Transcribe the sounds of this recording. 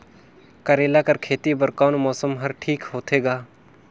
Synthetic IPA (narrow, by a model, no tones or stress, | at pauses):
kəɾeːlaːkɐɾkʰeːt̪ibəɾkaːnmɔːsəmɦɐɾʈʰiːkɦoːt̪ʰeːɡaː